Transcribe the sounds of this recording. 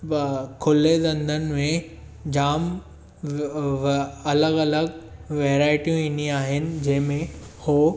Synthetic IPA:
kʰʊled̪ɐ̃nd̪ʱənɪ̆mẽ | d͡ʑaːm | ɐləɡɐləɡʋɛːɾaːɪʈijũɪnĩaːɦɪnɪ̆d͡ʑɐ̃ɦɪ̃mẽhoː

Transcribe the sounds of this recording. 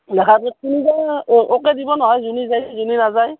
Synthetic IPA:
lɛkʰakɔt̚kinikaʔokɛdibɔnɔɦɔjzunizajszuninazaj

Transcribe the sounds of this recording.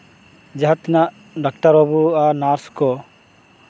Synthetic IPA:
d͡ʒaɦat̪ɛnaʔ | ɖakʈaɾɔbuanaɾskɔ

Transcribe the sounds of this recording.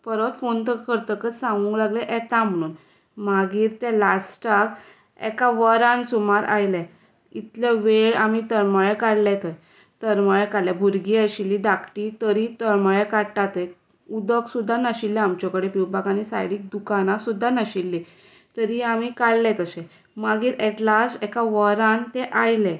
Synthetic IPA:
pəɾət̪font̪əkəɾt̪əkət͡ssãŋɡũːŋklaɡlɛʔɛt̪ãm̤əɽ̃uːn | maɡiːɾt̪ɛ̃lasʈak | ɛ̰kaʋəɾãnsumaɾa̰jlɛ̃ | it̪laʋeɭam̤it̪əɾməɭɛkaɽlɛt̪əj | t̪əɾməɭɛkaɽlɛbʱuɾɡiaɕilːid̪akʰʈit̪əɾit̪əɾməɭekaɽʈat̪e | ud̪əksud̪ʱːanəɕilːɛ̃amt͡ɕɔkəɽepiwbakanisa̰jɽiːk̚d̪ukanasud̪ʱːanəɕilːi | t̪əɾiam̤ikaɽlɛt̪əɕɛ̃ | maɡiːɾɛʈlasɛkaʋəɾãnt̪ɛʔajlɛ̃

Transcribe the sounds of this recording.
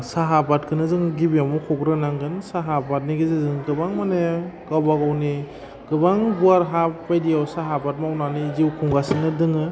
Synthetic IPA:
saɦabat̚kʰɯnɯzɯŋɡibiamukʰɔɡɾɯnaŋɡɯnsaɦabat̚niɡizezɯŋɡɯbaŋmaneɡawbaɡawni | ɡ̥ɯbaŋbuaɾɦapːajdijawsaɦabat̚mawnaniziwkʰuŋɡasinɯdɯŋɯ

